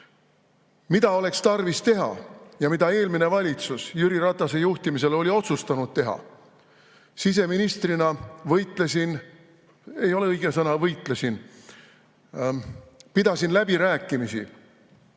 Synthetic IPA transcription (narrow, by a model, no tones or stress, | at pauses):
mid̪̥ɑo̞le̞kst̪ɑrvist̪e̞ɦɑ̰jɑmid̪ɑe̞ːlmine̞vɑlʲit̪susjyɾiɾɑt̪ːˑɑse̞juht̪imise̞lo̞lʲio̞t̪sust̪ɑnud̪̥̚t̪e̞ɦɑ̰ | sis̬e̞minist̪rinɑvɤjt̪ˑlesin | e̞jo̞le̞ɤjɡ̥e̞sɤnɑvɤjt̪ˑlesin | pid̪̥ɑsinlæbiɾæːkːˑimisḭ